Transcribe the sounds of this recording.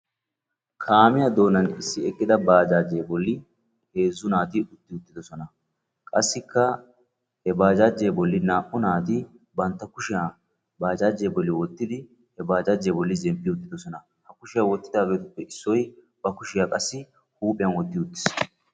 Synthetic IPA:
kʰaːmɪjad̪o̞ːnɐnɪsːɪɛkʼːɪd̪ɐbaːd͡ʒaːd͡ʒejbɔlːɪ | he̞ːzːʊnaːt̪ɪʊt̪ːɪʊt̪ːɪd̪ɔsɔnɐ | kʼɐsːɪkːɐ | hɛbaːd͡ʒaːd͡ʒejbɔlːɪnaːʔːʊnaːt̪ɪ | bɐnt̪ːɐkʊʃɪjaː | baːd͡ʒaːd͡ʒejbɔlːɪwɔt̪ːɪd̪ɪ | hɛbaːd͡ʒaːd͡ʒejbɔlːɪzɛmpːɪʊt̪ːɪd̪ɔsɔnɐ | hɐkʊʃɪjawɔt̪ːɪd̪aːɡe̞ːt̪ʊpːɛɪsːɔj | b̥ɐkʊʃɪjaːkʼɐsːɪ | huːpʼɪjɐnwɔt̪ːɪʊt̪ːɪ̥s

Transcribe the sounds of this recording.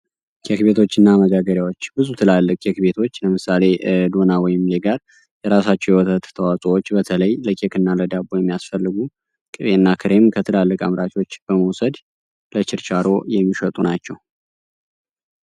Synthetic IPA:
kʰʼekbe̞t̪ʰo̞t͡ʃːɨnːaməɡaɡəɾjawo̞t͡ʃːbɨzut̪ʰɨlalːɨkʼekbe̞t̪ʰo̞t͡ʃːləmɨsale̞d̪o̞nawɔjɪmleɡaɾ | jɛɾasat͡ʃːɛwjɛwɔt̪ʰət̪t̪ʰəwasʼowot͡ʃːbət̪ʰələjləkʼekɨnːaləd̪abojɛmːijasfəlːɨɡu | kʼɨβeɨnːakʰɨɾe̞mkʰət̪ʰɨlalːɨkʼamɾat͡ʃo̞t͡ʃːb̥əməwsəd̪ | lət͡ʃɪɾt͡ʃaɾo̞jɛmːiʃət̪ʼunat͡ʃːɛw

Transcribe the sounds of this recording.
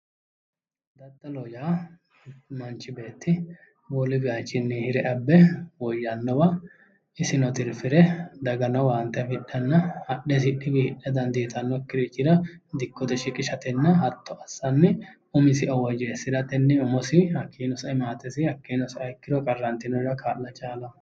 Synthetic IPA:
d̪ɐt̪ːɐlɔjaː | mɐnt͡ʃʼːɪbe̞ːt̪ːɪ | wɔlɪbɪjat͡ʃːɪnːɛhɪɾɛʔɐbːɛwɔjːɐnːɔbɐ | ɪsɪnɔt̪ɪlfɪɾɛd̪ɐɡɐnɔwaːnt̪ːɛfɪᶑːɛnːɐhɐɗɛs̬ɪᶑːɪbihɪᶑːɛd̪ɐnd̪iːt̪ʼɐnːɔkːɪɾit͡ʃːɪd̪ɐd̪ɪkːɔt̪ɛʃɪkʼɪʃɐt̪ɛnːɐɦɐt̪ʰːɔʔɐsːɐnːɛ | ʊmɪsɪʔɔwɔd͡ʒeːsːɪd̪ɐt̪ɛnːɛʊmɔsɪhɐkʰːiːnɔsɐɪmaːt̪ɛsɪhɐkːiːnɔsɪɐjkːɪd̪ɔkʼɐrːɐnt̪ɪnɔɾɐkʰaːlːɐt͡ʃʼaːlɐ

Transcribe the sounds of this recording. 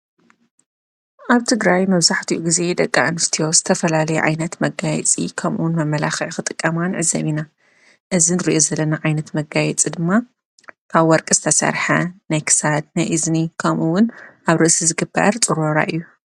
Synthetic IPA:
ʔaβt̪ʰɨɡɾajmɐβzaħt̪ʰiʔuɡize̞d̪ɐkʼːaʔɨnst̪ʰijo̞zɨt̪ʰɐfɐlalɐjuʕa̰jnɐt̪mɐɡajɛ̰t͡sʼḭkʰɐmʔṵwʊnmɐmːɐlaxɐʕxɨt̪ʼɨkʼːɐmanʕɨzɐ̰βina | ʔɨzinɨɾiʔo̞zɐlːɐnaʕajnɐt̪mɐɡajɛt͡sʼid̪ɨmːa | kʰaβwɔɾkʼɨz̥ɨt̪ʰɐsɐ̰ɾħanajkʰɨ̥sad̪najʔɨznikʰɐmʔuwʊnʔaβɾɨʔsizɨɡɨbːɐ̰ɾt͡sʼɨɾoɾa̰ʔɨjːu

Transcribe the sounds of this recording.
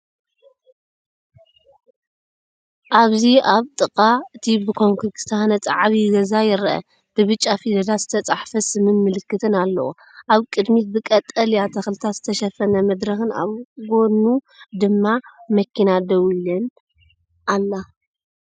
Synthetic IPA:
ʔaβziaβt̪ʼɨqʼaɨt̪ʰibɨkʰoŋkʰɨɡɨst̪ʰanɐt͡sʼaʕβiɡɐzajɪɾɐʔɐ̰ | b̥ɨβɨt͡ʃʼːafid̪ɐd̪az̥ɨt̪ʰɐt͡sʼaħfɐsɨmɨnmɨlɨkːɨt̪ʰɨnalːɐ̰wo̰ | ʔaβkʼɨd̪mit̪̚bɨkʼɐt̪ʼːɐljat̪ʰɐxlɨt̪ʰat̪z̥ɨt̪ʰɐʃɐfɐnɐmɐd̪ɾɐxɨna̰βɡo̞nu | d̪ɨmːamɐkʰinad̪ɐwilɐn | ʔalːa

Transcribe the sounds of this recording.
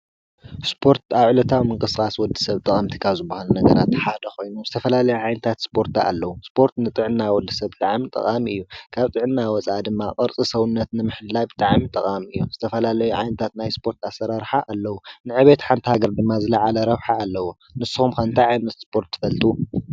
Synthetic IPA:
spʰo̞ɾt̪ʰaβʕɨlɐt̪ʰawmɨŋkʼɨsɨkʼaswɔd̪ːɨ̥sɐβt̪ʼɐχʼɐmt̪ʰikʰazɨbahalunɐɡɐ̰ɾat̪ħad̪ɐkojnuzɨt̪ʰɐfɐlalɐjuʕajnɨt̪ʰat̪spʰo̞ɾt̪ʰaa̰lːɐwuspʰo̞ɾt̪nɨt̪ʼɨʕɨnːawɔd̪ːɨsɐβt̪ʼaʕmit̪ʼɐ̰χʼamɨjːukʰaβt̪ʼɨʕɨnːawɔt͡sʼad̪ɨmːaqʼɐɾt͡sʼisɐwunːɐt̪nɨmɨħɨd̪lajbɨt̪ʼaʕmit̪ʼɐχʼamɨjːuz̥ɨt̪ʰɐfɐlalɐjuʕa̰jnɨt̪ʰat̪najspʰo̞ɾt̪ʰasːɐɾaɾħaʔalːɐwunɨʕɨβet̪ħant̪ʰihaɡɐɾd̪ɨmːazɨlaʕalɐɾɐβħaːlːɐwo | nɨsːɨxumkɐnt̪ʰaʕajnɐt̪spʰo̞ɾt̪ʰːɨ̥fɐlt̪ʼu

